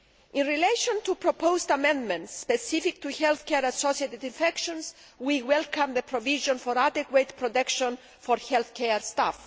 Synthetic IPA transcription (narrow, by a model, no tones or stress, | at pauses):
ʔĩnɹilejʃɔ̃nt̪upɾɔpowst̪amɛ̃nd̪mɛ̃ntsːpɛsifik̚t̪uhɛlθkɛɾasɔsiet̪id̪ĩɱfɛkʃɔ̃nswiwɛlkãmðəpʰɾɔviʒɔ̃nfɔɾad̪ɛkwet̪pɾɔd̪ɛkʃɔ̃n | fɔɾhɛlθkʰɛɾst̪af